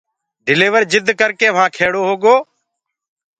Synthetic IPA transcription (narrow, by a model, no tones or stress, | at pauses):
ɖɪleːʋəɾd͡ʒɪd̪ʱkəɾkeːʋ̤ãːkʰeːɽoːɦoːɡoː